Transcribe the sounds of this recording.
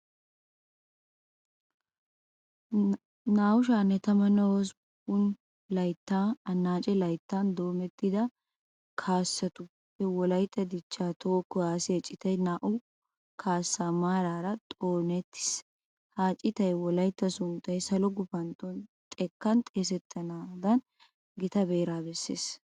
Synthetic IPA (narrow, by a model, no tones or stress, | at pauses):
naːʔʊʃ̬aːnːɛt̪ɐmɐnɐwɔs | ʊn | lɐjt̪ːaːɐnːaːt͡ʃʼɛlɐjt̪ːaːnd̪o̞ːmɛt̪ːɪd̪ɐ | kʰaːsːɐt̪ʊ | hɛwɔlɐjt̪ːɐd̪ɪt͡ʃːaːt̪oːkːʊjaːseːt͡ʃʼːɪt̪ɐjnaːʔʊ | kʰaːsːaːmaːɾaːɾɐt̪ʼoːnɛt̪ːɪ̥s | haːt͡ʃʼɪt̪ɐjwɔlɐjt̪ːɐsʊnt̪ɐjsɐlɔɡʊfɐnt̪ɔnt̪ʼɛkːɐnt̪ʼes̬ɛt̪ʰːɐnaːd̪ɐn | ɡɪt̪ɐbeːɾaːbɛsːeːs